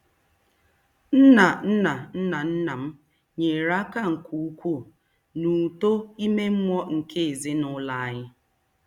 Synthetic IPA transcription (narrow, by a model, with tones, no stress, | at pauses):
n̩˦na˨n̩˦na˨n̩˦na˨n̩˦na˨m̩˦ | ɲe˨ɾa˦ka˦˨ŋ̩˨ku˨˦u˦kʷu˦˨ | nu˨to˦i˦me˦m̩˦mʷ˦ɔ˦ŋ̩˨kʰe˦˨zɪ˦nʊ˦la˦a˦ɲɪ˦